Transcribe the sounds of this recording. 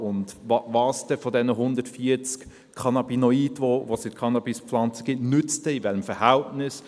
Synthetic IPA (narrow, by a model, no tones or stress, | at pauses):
ʊndvɑvɑːsd̥ɛfɔdɛnəɦʊndətfiət͡sk | kʰɑnɑbinɔiːdvovosɪtkʰɑnɑbispflɑnt͡sə̥ɡ̥ɪtnʏt͡stɛivɛləmfəɾhæltnɪs